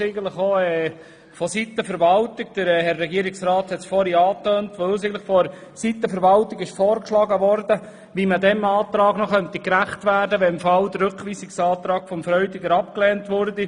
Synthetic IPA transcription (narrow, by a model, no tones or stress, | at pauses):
ɛɪɡənt̪ləχoɛː | fɔsit̪əfəɾʋɑlt̪ɪɡd̥əɾɛhɛrːɛɡiəɾɪksɾɑːt̪hɛt̪sfɔɾiɑːt̪øːntʋɵlsɛɡətləχfɔɾ | sit̪əfəɾʋɑltɪɡɪʃfɔːrkʃlɑɡəʋɔrdə | ʋimədɛmɑːt̪ɾɑːɡnɔχœnt̪ikɾæχtʋæːɾdəʋɛɪmfɑld̪əɾɾɵkʋiːsɪksɑːt̪ɾɑːɡ̥fɔmfɾœʏdiɡəɾɑpklɛːntʋʊrdi